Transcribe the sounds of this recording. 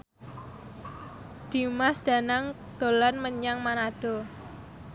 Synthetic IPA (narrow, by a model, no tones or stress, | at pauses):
d̪̥i̤masd̪̥a̤naŋ | d̪̥o̤lanməɲaŋmanad̥o̤